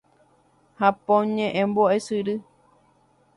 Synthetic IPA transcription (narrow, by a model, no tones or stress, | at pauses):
hapõɲẽʔẽmboesɨɾɨ